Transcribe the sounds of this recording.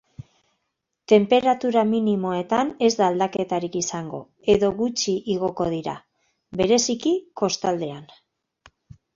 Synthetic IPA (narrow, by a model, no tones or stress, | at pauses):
t̪e̞mpe̞ɾat̪uɾaminimo̞e̞t̪ane̞zd̪aːld̪ake̞t̪aɾikisaŋɡo̞̰ | e̞ðo̞ɣut͡ʃiʔiɣ̞o̞ko̞ð̞iɾa̰ | be̞ɾe̞sikiko̞st̪ald̪e̞an